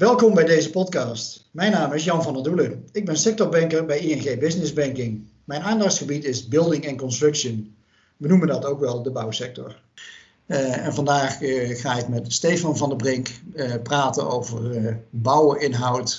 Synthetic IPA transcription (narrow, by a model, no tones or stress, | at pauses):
ʋɛlˠkɔmbɛjdejzəpɔtkɑːstmɛjnaːmɪsjɑnvɑnɑduləɪɡ̚bɛnsɛk̚tɔɹbɛŋkəɹbɛjiɛnχejbɪsnɪzbɛŋkɪŋ | mɛjnaːndɑχtsχəbitɪzbɪlˠdɪŋɛnkɔnstrɵkʃən | ʋənuməndɑtowkʋɛlˠdəbʌwsɛk̚tɔ̰ɹ | ɛnvɑndaːχχaːɪkmɛtstejfɑnvɑndəbrɪŋkpraːtə̰nowvərbʌwɪnɦɑwt